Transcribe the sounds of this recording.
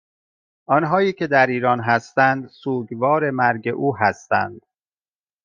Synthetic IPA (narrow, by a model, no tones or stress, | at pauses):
ʔɒːnɦɒːiːcʰe̞d̪æɾiːɾɒːnɦæst̪ænd̪suːɟvɒːɾe̞mæɾɟe̞ʔuːɦæst̪æ̰nd̪̥